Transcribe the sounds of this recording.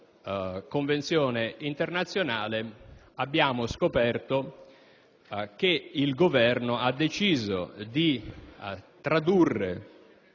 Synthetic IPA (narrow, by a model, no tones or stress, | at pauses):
koɱvent̪sjɔːneint̪ernat̪sːjonaːle | abːjaːmʊskopɛrt̪o | k̟eilɡovɛrnoad̪ːet͡ʃiːzo̰d̪i | t̪ɾad̪urːḛ